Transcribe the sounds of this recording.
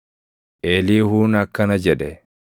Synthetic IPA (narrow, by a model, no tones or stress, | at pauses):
ʔeːliːhuːnɐkːɐnɐd͡ʒɛᶑɛ